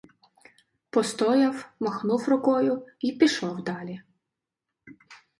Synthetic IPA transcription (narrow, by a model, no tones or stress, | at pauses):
pɔst̪ɔjɐwmɔxnuwrʊkɔjʊipʲiʃɔwd̪ɑlʲi